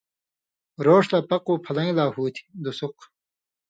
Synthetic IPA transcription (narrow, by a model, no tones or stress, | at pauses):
ɾoːʂlapɐquːpʰɐlɐ̃ŋlaːhuːt̪ʰi̥d̪usuq